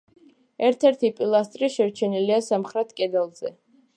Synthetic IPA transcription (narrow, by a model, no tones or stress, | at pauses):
ɛɾt̪ʰɛɾt̪ʰipʼilˠast̪ʼɾiʃɛɾt͡ʃʰɛniliasamχɾɛt̪ʰkʼɛd̪ɛlˠzɛ